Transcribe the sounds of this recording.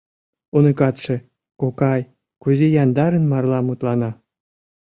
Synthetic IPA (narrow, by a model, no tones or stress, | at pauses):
unɤ̆kɑt̪ʂĕ | kokɑj | kuzejɑnd̪ɑɾə̆nmɑrlˠɑmut̪lɑnɑ